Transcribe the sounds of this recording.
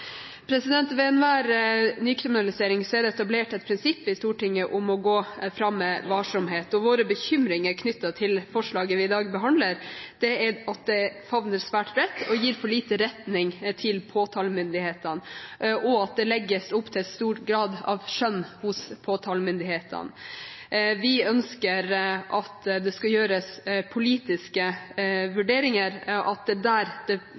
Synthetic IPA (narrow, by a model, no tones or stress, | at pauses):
pʰɾɛsɪd̪ɛnt̪ʋɛnʋæːɾnyːkʰɾɪmɪnɑlɪseːɾɪŋsɔɛɖɛɛt̪ɑbleːʈɛt̪̚pʰɾɪnsɪpːɪst̪uːʈɪŋːəʔʊmɔɡoːfɾɑmːəʋɑːʂʊmɦeːt̪ɔʋoːɾəbəçʏmɾɪŋəɾkʰnʏt̪ːɑt̪ʰɪlfɔʂɭɑːɡəʋɪɪd̪ɑːɡbəɦɑnd̪ləɾd̪̥ɛɛɑt̪̚d̪ɛfɑʋnəɾsʋæːʈbɾɛt̪ːɔjiːɾfɔɭiːt̪əɾɛt̪nɪŋt̪ʰɪlpʰoːt̪ʰɑːlmʏnd̪ɪheːt̪ənʔɔɑt̪̚d̪ɛlɛɡːəsʊpːt̪ʰɪst̪uːʈɡɾɑːd̪ɑ̰ʋʂœnːhʊspʰoːt̪ʰɑːlmʏnd̪ɪheːt̪ʰə̰n | ʋɪœnskəɾʔɑt̪d̪ɛskɑjøːɾəspʰʊliːt̪ɪskəʋʉɖeːɾɪŋəɾʔɑt̪̚d̪ɛd̪æːɾd̪̥ɛ